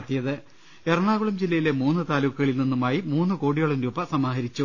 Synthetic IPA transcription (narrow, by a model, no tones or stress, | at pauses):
t̪ːijɐðɨ | erɐɳaːɣuɭumd͡ʑilːɐjile̞muːnːɨt̪aːlukːuɣɐɭilninːumaːjimuːnːɨko̞ːɽijoɭɐmɾuːbɐsɐmaːɦɐɾit͡ɕːu